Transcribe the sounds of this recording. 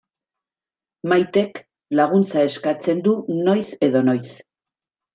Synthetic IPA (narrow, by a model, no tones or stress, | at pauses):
majt̪e̞k | laɣ̞unt͡sae̞skat͡se̞nd̪uno̞jse̞ðo̞no̞js